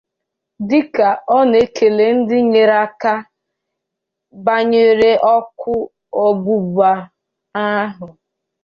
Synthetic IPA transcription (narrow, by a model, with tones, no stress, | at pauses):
dɪ˦ka˨ɔ˦ne˦kʰe˨le˨n̩˦dɪ˦ɲe˨ɾa˦ka˦ | ba˦ɲe˦ɾe˦ʔɔ˦kʊ˦ | o˦bu˦ba˦ | a˦ɦʊ˨